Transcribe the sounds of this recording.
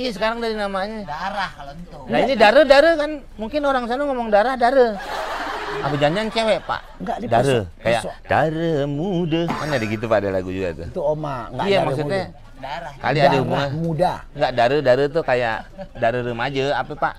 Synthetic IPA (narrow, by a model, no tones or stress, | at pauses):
ijasəkaɾaŋdaɾinamaɲədaɾah̪ | nainidaɾədaɾəkan | muŋkɪnoɾaŋs̬anəŋomɔŋdaɾahdaɾə | apəd͡ʒaɲd͡ʒiant͡ʃewɛʔpa̰ʔɡadidaɾəkaja̰ʔd̥aɾəmudəmanadiɡit̪̬upadala̰ɡud͡ʒuɡa̰t̪ṵt̪uomaŋɡaijamaks̬uɛ | ka̰ldiadaɦubuŋanmudaŋɡaʔdaɾədaɾət̪ʊhkaja̰ʔdaɾəɾəmad͡ʒəapəpa̰ʔ